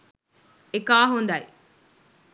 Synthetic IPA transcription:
ekaːɦond̪aj

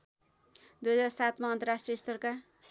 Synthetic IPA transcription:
d̪ujʌd͡zarsat̪maʌnt̪ʌrasʈriʌst̪ʌrka

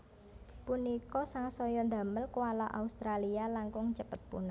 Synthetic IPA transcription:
punikɔsaŋsɔjɔnd̪a̤məlkuwalɔʔa̰ust̪ɾalialaŋkʊŋt͡ʃəpət̪̚pṵnɔ

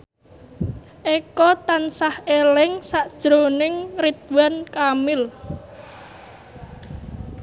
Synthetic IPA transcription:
ʔekɔt̪ansahelɪŋsaʔd̥ʒ̥ɾonɪŋrit̪̚wankamɪl

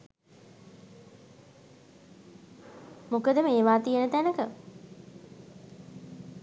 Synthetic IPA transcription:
mukəd̪əmeːʋaːt̪ijənət̪ænəkə

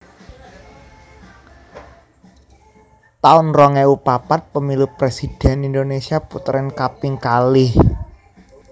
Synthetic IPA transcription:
t̪aʊnrɔŋeupapat̪̚pəmilupɾesid̥ɛnind̪onesiaput̪ɾɛnkapɪŋkalɪh

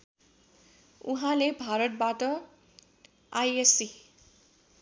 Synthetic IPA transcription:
uɦãlebʱaɾʌt̪̚baʈʌ | ajesi

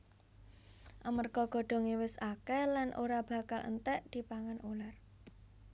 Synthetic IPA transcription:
ʔamərkɔɡ̥ɔ̤ɖ̥ɔ̤ŋiwɪsakɛlanʔoɾab̥a̤kalʔə̰nt̪ɛʔd̪̥i̤paŋanʔular

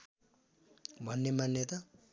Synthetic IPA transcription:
bʱʌnːemanːet̪ʌ

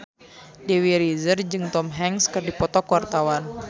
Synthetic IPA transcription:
dewiɾizərd͡ʒɨŋt̪ɔmɦɛŋskɨrdipɔt̪ɔkwart̪awan

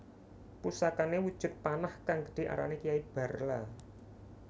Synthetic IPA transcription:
pusakanewud̥ʒ̥ʊ̤t̪̚panahkaŋɡə̥ɖ̥i̤ʔa̰ɾa̰nekijaib̥a̤rla

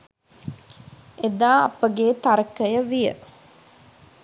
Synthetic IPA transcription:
ed̪aːɐ̰pəɡeːt̪aɾəkəjəʋijə̰

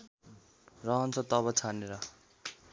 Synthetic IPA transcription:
rʌɦʌnt͡sʰʌt̪ʌβʌt͡sʰaneɾʌ

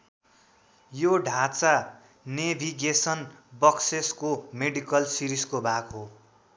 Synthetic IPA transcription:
joɖʱat͡sa | nebʱiɡesʌnbʌkseskomeɖikʌlsiɾiskobʱakɦo

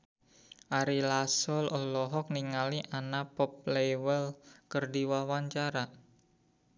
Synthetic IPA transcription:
ʔaɾilasɔlɔlɔɦɔk̚niŋaliʔanapɔp̚lewəlkərdiwawaɲt͡ʃaɾa

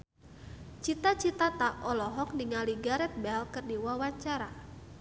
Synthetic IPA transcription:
t͡ʃit̪at͡ʃit̪at̪aʔɔlɔɦɔk̚niŋaliɡaɾɛt̪̚bɛlkɨrdiwawaɲt͡ʃaɾa

